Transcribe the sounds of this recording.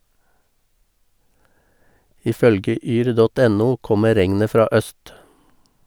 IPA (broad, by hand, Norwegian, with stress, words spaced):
ˈiː ˈfœlɡə ˈʔyːɾ ˈdɔt ˈɛnuː ˈkɔmə ˈɾɛŋnə ˈfɾɑː ˈʔœst